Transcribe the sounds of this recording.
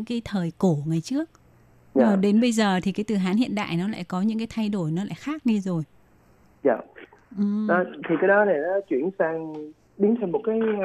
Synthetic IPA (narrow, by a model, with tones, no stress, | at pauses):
ɨ̰˧˥ŋkaː˨˦jt̪ʰəː˨˩jko˧˩ŋaː˨˩jt͡ɕɨ˦˥ək̚ː | a˨˩ɗe˨˦nɓə˧jzəː˨˩t̪ʰi˨˩kaː˨˦jt̪ɨ˨˩ɦaː˨˦nhḭ˧˨ənɗa̰ː˧˨jnɔ˨˦la̰ː˧˨jkɔ˨˦ɲɨ̰˧˥ŋkaː˨˦jt̪ʰa˧jɗo˧˩jnɔ˨˦la̰ː˧˨jxaː˦˥k̚ɗi˧zo˨˩j | ja̰ː˧˨˩ | ʔɨ˨˩ə˨˦t̪ʰi˨˩kaː˨˦jɗɔ˨˦ne˨˩laː˨˦t͡ɕwi˧˩ənsaː˧ŋ | ɗi˨˦ŋt̪ʰa˧˩mo˨˩t̚kaː˨˦j